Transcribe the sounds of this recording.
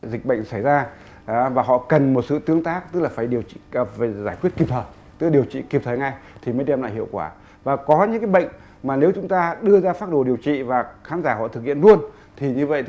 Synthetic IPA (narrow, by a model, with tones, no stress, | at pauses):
zï˨˩k̟̚ɓə̰˧˨jŋ̟sa˧˩jzaː˧˨ | vaː˨˩ɦɔ̰˧˨kə˨˩nmo˨˩t̚sɨ̰˧˨t̪ɨ˨˦əŋt̪aː˦˥k̚t̪ɨ˦˥k̚laː˨˩faː˧˩jɗi˨˩əwt͡ɕḭ˧˨fːzaː˧˩jkwi˦˥ət̚ki˨˩p̚t̪ʰəː˨˩j | t̪ɨ˦˥kɗi˨˩əwt͡ɕḭ˧˨ki˨˩p̚t̪ʰəː˨˩jŋa˧jt̪ʰi˨˩məː˨˦jɗɛ˧mla̰ː˧˨jɦḭ˧˨əwkwaː˧˩ | vaː˨˩kɔ˨˦ɲɨ̰˧˥ŋkaː˨˦jɓə̰˧˨jŋ̟ | maː˨˩ne˨˦wt͡ɕʊ˨˦ŋ͡mt̪aː˧ɗɨ˧əzaː˧faː˦˥t̚ɗo˧˩ɗi˨˩əwt͡ɕḭ˧˨vaː˨˩xaː˨˦nzaː˧˩hɔ̰˧˨t̪ʰɨ˨˩k̚hḭ˧˨ənlu˧ən | t̪ʰi˨˩ɲɨ˧və̰˧˨jt̪